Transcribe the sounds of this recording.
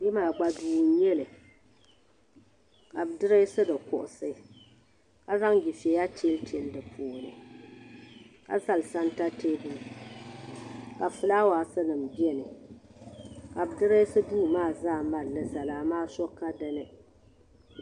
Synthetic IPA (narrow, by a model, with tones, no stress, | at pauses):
di˦maː˨ɡ͡ba˨duː˦n˦jɛ˦lɨ˨ | ka˨bɨ˨dɨ˦ɾɨ˦sɨ˦dɨ˨kʊ̰˨ʔʊ˨sɨ˦ | ka˦za˦ŋɡi˨fi˨ɛ˨ja˦tʰi˦e˦lte˨ldɨ˨pʰoː˨nɨ̰˨ | ka̰˨za˦lsa˦nta˦te˦buː˦˨ | ka˨fɨ˨laː˦waː˨sɨ˦nɨ˨m˨bi˦ɛ˦nɨ˨ | ka˨bɨ˨dɨ˦ɾɨ˦sɨ˦buː˦˨maː˦˨zaː˦˨ma˨ɾnɨ˦sa˨laː˦maː˦sɔ˦kːa˦dɨ˦nɨ˨